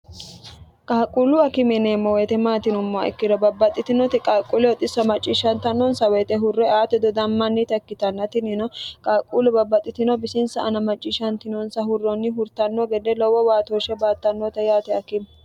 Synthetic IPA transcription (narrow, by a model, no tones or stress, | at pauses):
kʼaːkʼulʊɐkɪmɛneːmːɔwɛt̪ɛmaːt̪ɪnʊmːaɛ̰kːɪd̪ɔbɐbːɐt̪ʼːɪt̪ɪnɔt̪ɪkʼaːkʼulɛwɔt̪ʼɪsɐmɐt͡ʃʼːiːʃɐnt̪ɐnːɔnsɐwɛt̪ɛɦʊrːɛaːt̪ɛd̪ɔd̪ɐmːɐnːit̪ɐkːɪt̪ɐnːɐt̪ɪnɪnɔkʼaːkʼːulɛbɐbːɐt̪ʼːɪt̪ɪnɔbɪsɪnsɐʔɐnɐmɐt͡ʃʼːiʃɐnt̪ɪnɔnsɐhʊrːɔnːɪɦʊɾt̪ɐnːɔɡɛd̪ɛlɔwɔwaːt̪oːʃɛbaːt̪ːɐnːot̪ɐjaːt̪ɛɐkɪm